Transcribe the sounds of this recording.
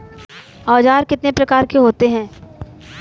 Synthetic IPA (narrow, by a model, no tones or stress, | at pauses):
ɔːd͡ʒaːɾkɪt̪nepɾɐkaːɾkeɦoːt̪eɦɛ̃ː